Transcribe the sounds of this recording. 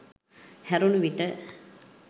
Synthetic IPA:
hæɾunuʋiʈə

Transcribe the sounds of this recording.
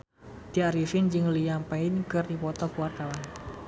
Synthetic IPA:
d̪̥iaɾifɪnd͡ʒɨŋlijampɛɪnkɨrdipɔt̪ɔkuwart̪awan

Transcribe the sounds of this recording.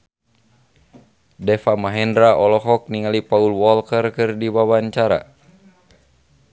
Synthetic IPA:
dɛfamaɦɛndɾaʔɔlɔɦɔk̚niŋalipaulwɔlkərkɨrdiwawaɲt͡ʃaɾa̰

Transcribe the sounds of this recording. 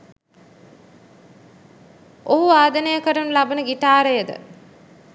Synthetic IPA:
oɦuaːd̪ənəjəkəɾənəlabənəɡiʈaːɾejəd̪ə̰

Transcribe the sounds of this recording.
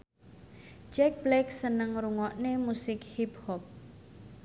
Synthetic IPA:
d͡ʒɛk̚blɛksənəŋɾuŋɔʔnemusɪkhiphɔp̚

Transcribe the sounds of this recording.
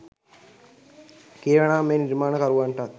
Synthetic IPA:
keːɾɐɳaːmeːniɾmaːnɐkɐɾuʋaːɳʈaːt̪̚

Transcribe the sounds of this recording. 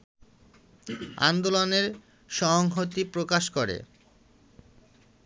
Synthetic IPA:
a̰nd̪oloneɾ | ʃɔɦŋɦot̪ipɾokaʃkoɾḛ

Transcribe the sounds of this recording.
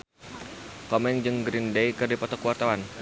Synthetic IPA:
kɔmɛnd͡ʒɨŋɡɾindejkɨrdipɔt̪ɔkuwart̪awan

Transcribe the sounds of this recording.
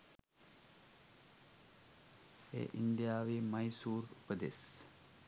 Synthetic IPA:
ḛːʔind̪ijaːʋiːmɐjsuːɾupəd̪es

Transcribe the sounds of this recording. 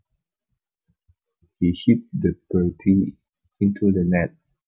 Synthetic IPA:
hihip̚dəbɛtʰi | ĩntʰudənɛt̚

